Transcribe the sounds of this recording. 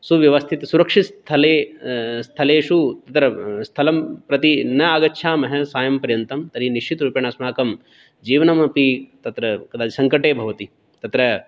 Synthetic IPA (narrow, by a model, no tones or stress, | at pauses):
suʋjɐʋɐst̪ʰit̪suɾɐkʂist̪ʰɐleːst̪ʰɐleːʃut̪ɐt̪ɾɐst̪ʰɐlɐmpɾɐt̪inɐaːɡɐtːʃʰaːmɐɦɐsaːjɐmpɐɾjɐnt̪ɐmt̪ɐɾiniʃt͡ʃʰit̪ɾuːpjɐɳɐsmaːkɐm | d͡ʒiːʋɐnɐmɐpit̪ɐt̪ɾɐkɐd̪ʱaːd̪isɐŋkɐʈeːbʱɐʋɐt̪i | t̪ɐt̪ɾɐ